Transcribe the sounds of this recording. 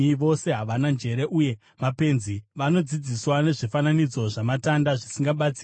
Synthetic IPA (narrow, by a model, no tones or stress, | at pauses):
ʋo̞se̞ɦaʋanand͡ʒe̞ɾe̞ʔuje̞ | mape̞nziʋano̞d͡zid͡ziswane̞ʐifananid͡zo̞ʐamatandaʐisiŋɡaɓat͡siː